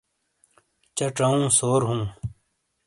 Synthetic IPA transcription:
t͡ɕɐʈ͡ʂaũːsoːɾɦũː

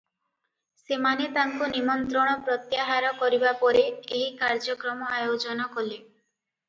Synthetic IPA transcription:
semanet̪aŋkunimɔnt̪ɾɔɽ̃ɔpɾɔt̪jaɦaɾɔkɔɾibapɔɾeeɦikaɾd͡ʒɔkɾɔmɔajod͡ʒɔnɔkole

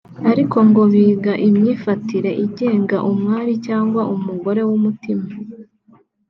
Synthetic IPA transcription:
aɾikʰo̞ŋɡo̞βiːɡaʔimɲiːfatiɾe̞ʔiɟe̞ːŋɡaʔumŋaːɾicaːŋɡwaʔumuɡo̞ɾe̞wumutima

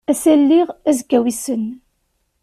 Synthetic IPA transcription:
æsælːiʁæzɡæwisən

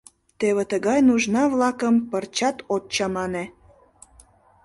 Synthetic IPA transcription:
t̪eβet̪əɣɑjnuʒnɑβlɑkəmpərt͡ɕɑt̪ot̪t͡ɕɑmɑne

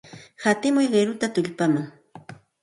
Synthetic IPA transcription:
hat̪ɪmʊjɢeɾʊt̪at̪ʊʎpamaŋ

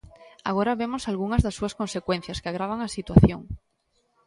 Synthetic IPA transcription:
a̰ɣ̞oɾaβemo̞salɣuŋazðasːuasko̞nse̞kwe̞n̟θjaskeaɣ̞ɾaβ̞aŋasit̪waθjo̞ŋ

